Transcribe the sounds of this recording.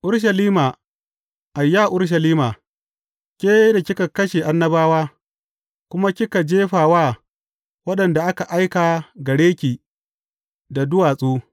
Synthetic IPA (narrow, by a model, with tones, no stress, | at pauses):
ʔʊ˦ɽʃ̬ɐ˨liː˦maː˨ | ʔa˨jːaː˦ʔʊ˦ɽʃ̬ɐ˨liː˦maː˨ | kʲʼeː˦da˨kʲɪ˦ka˨kɐ˦ʃe˨ʔa˦nːɐ˦baː˦waː˦ | kʷʊ˦ma˦kʲɪ˦ka˨d͡ʒeː˦ɸaː˨waː˦ | wɐ˦ɗɐ˨nda˨ʔa˦ka˨ʔa˦jkaː˨ɡɐ˨ɽeː˦kʲiː˨ | da˨dʊ˦waː˨sʼuː˦